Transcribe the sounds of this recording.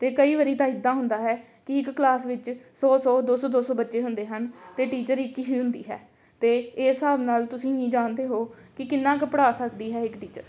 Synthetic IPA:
t̪eːkəiːʋəɾiːt̪ãːɪd̪ːãːɦʊnd̪aːɦɛː | kɪɪkːlaːsʋɪt͡ʃsɔːsɔːd̪oːsɔːd̪oːsɔːbətːʃeːɦʊnd̪eːɦənt̪eːʈiːt͡ʃəɾɪkːiːɦiːɦʊnd̪ḭːɦɛ̰ː | t̪eːeːsaːbnaːlt̪ʊsĩːĩːd͡ʒaːnd̪eːɦoːkɪkɪnːãːkəpəɽaːsəkd̪iːɦɛːɪkʈiːt͡ʃə̰ɾ

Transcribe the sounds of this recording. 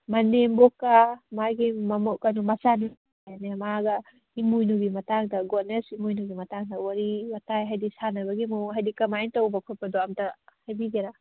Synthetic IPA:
mɐnembokːamajɡimmɔkanumɐsani | janemaɡɐ | imujnuɡimɐtaŋdɐɡonesimujnuɡimɐtaŋdɐwaɾiwatajɦajdisanɐbɐɡimuɦajdikɐmajntawbɐkʰɔt̚pɐdɔamtɐhajbiɡeɾa

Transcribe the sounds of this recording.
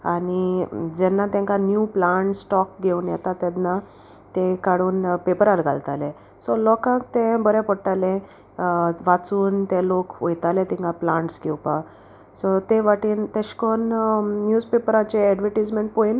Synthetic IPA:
aɽ̃id͡ʑɛnːat̪jãŋkãnjuplãɳʈssʈɔk̚ɡʱewnjɛt̪at̪ad̪na | t̪ɛ̃kaɽuːnpepəɾaɾɡʱa̰lt̪alɛ̃ | sɔlɔkãkt̪ɛ̃bəɾɛ̃pɔɽʈalɛ̃ | ʋat͡suːnt̪ɛ̃lokojt̪alɛ̃t̪ĩŋkaplãɳʈsɡʱewpa | sɔt̪ẽʋaʈiːnt̪eɕkɔnːjuːd͡zpepəɾãt͡ɕeɛɖʋəʈad͡zmẽɳʈ̚pojn

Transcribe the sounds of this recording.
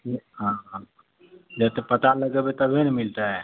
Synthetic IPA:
kiɦã | d͡ʒɛt̪epət̪aləɡebet̪əbʱenɛmilt̪aɦɛ

